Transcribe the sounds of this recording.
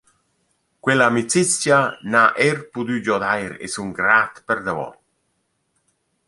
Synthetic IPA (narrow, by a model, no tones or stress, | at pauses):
kwɛlamit͡sit͡sjanaʔerpud̪yd͡ʒɔd̪ajɾḛsuŋɡɾat̪pɛɾd̪avɔ̰